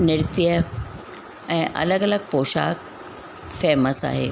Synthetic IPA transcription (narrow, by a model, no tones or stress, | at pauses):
nɪɾt̪jijə | ɛ̃ːʔɐ̰ləɡələɡ̚poːʃa̰ːk | feːməsa̰ːɦḛ